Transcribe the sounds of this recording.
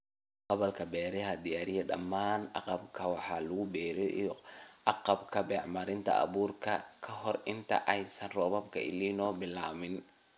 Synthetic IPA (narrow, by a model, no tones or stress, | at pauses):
qɑβɐlkʰɐbɛːɾɛɦɐd̪ijaːɾɪjɐɖɐ̰mːaːnɑ̰qɑbkʰɐwɑħɑːlʊɣʊbɛːɾɛʔḭʔɑqɑbkʰɐbɛːʕmɐɾɪnt̪ʰɐ̰ʔɐ̰βuːrkʰɐkʰɐɦɔrɪnt̪ʰɐ̰ʔɛjsɐnrɔβɐbkʰɐ̰ɪ̰liːnɔːbɪlaːmɪn